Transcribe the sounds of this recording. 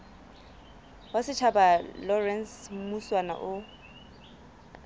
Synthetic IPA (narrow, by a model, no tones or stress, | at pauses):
wasɪt͡ʃʰabalɔrɛnsmuswana̰ʔʊ